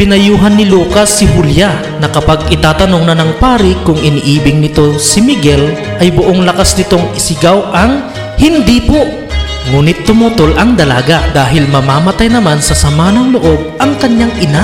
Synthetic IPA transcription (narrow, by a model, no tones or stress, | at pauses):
pɪnɐjuːɦɐnːɪluːkɐsːɪɦʊlja | nɐkɐpaɡ̚ɪt̪aːt̪ɐnoŋnɐnɐŋpaːɾɪkʊŋʔɪniʔiːbɪŋnɪt̪o̞sɪmɪɡɛl | ʔɐjbʊʔoŋlɐkasnɪt̪o̞ŋɪsɪɡawʔɐŋ | hɪnd̪iːpo | ŋuːnɪt̪ːʊmut̪olʔɐŋd̪ɐla̰ːɡɐd̪aːɦɪlmɐmaːmɐt̪ajnɐmansɐsɐmaːnɐŋlʊʔo̞ɡ̚ʔɐŋkɐɲjaŋʔɪna